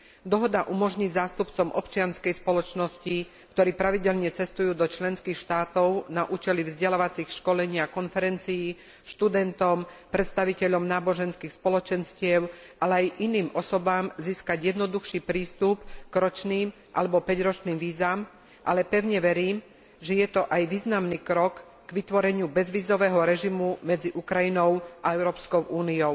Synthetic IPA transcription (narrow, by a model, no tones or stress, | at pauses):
d̪ɔɦɔd̪aʔumɔʒɲizaːst̪upt͡sɔmʔɔpt͡ʃɪanskɛjspɔlɔt͡ʃnɔsci | kt̪ɔɾiːpɾaʋiɟɛlɲɛt͡sɛst̪ujuːd̪ɔt͡ʃlɛnskixʃt̪aːt̪ɔʊnaʔuːt͡ʃɛlivzɟɛlaʋat͡sixʃkɔlɛɲɪakɔnfɛɾɛnt͡sijiː | ʃt̪ud̪ɛnt̪ɔmpɾɛt̪st̪aʋicɛʎɔmnaːbɔʒɛnskiːxspɔlɔt͡ʃɛnscɪɛʊ | ʔalɛajʔiniːmʔɔsɔbaːmziːskaɟjɛd̪nɔd̪uxʃiːpɾiːst̪upɡ̥ɾɔt͡ʃniːm | ʔa̰lɛbɔpɛɟɾɔt͡ʃniːmʋiːzaːm | ʔa̰lɛpɛʊɲɛʋɛɾiːm | ʒɛjɛt̪ɔʔajʋiːznamniːkɾɔk | ɡʋit̪ʋɔɾɛɲɪubɛzʋiːzɔʋɛːɦɔɾɛʒimumɛd͡ziʔukɾajinɔʊʔaɛʊɾɔːpskɔʊʔuːniɔʊ